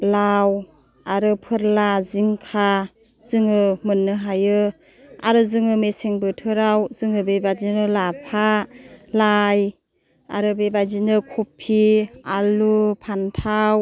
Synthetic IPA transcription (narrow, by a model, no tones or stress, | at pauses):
law | aɾɯpʰɯɾlaziŋkʰa | z̥ɯŋɯmɯnːɯɦajɯ | a̰ɾɯzɯŋɯmeseŋbɯtʰɯɾawzɯŋɯbebad͡ʒinɯlapʰalaj | a̰ɾɯbebazinɯkʰupʰːialupʰantʰaw